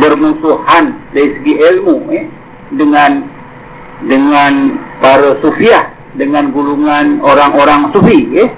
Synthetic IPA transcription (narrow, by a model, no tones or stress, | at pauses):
bərmusuhandaisəɡiʔelmuɛ | dəŋan | dəŋanpaɾəsofiah | dəŋanɡuluŋanoɾaŋoɾaŋsufiɛ